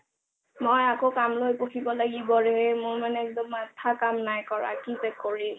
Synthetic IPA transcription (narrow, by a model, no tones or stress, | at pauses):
mojakokamlojpokʰibɔlaɡibɔɹɛɛmʊɹmanɛɛk̚dɔmatʰakamnajkɔɹa̰kipɛkːoɹim